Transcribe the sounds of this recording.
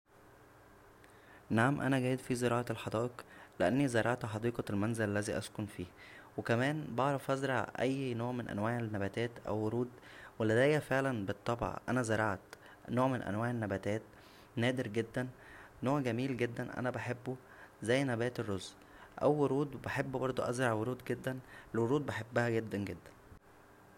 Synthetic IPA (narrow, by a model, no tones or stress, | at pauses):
naʕamʔæ̰næɡæːjed̪fizeɾɑːʕɑlħɑd̪ˤɑːʔeqleʔænːizɑɾˤɑʕt̪ħɑd̪ˤiːqɑlmænzelælːæziːʔæskonfiːwekæmæːnbɑʕɾˤɑfʔæzɾˤɑʕʔæjːnoːʕmenʔæ̰nwæːʕenːæbæt̪æːt̪ʔæ̰wːoɾuːd̪welːæd̪æːjːæfeʕlænbet̪ˤːɑb̰ʕʔænæzɑɾˤɑʕt̪ | noːʕmenʔæ̰nwæːʕenːæbæːt̪æːt̪ | næːd̪eɾɡed̪ːænː | oːʕɡæmiːlɡed̪ːænʔæ̰næbæħebːu | zæjːnæbæːt̪erːoz | ʔæ̰wːoɾuːd̪beħebːbɑɾˤd̪ˤoʔæzɾˤɑʕwoɾuːd̪ɡed̪ːænlwoɾuːd̪̚beħebːæhæɡed̪ːænɡed̪ːæ̥n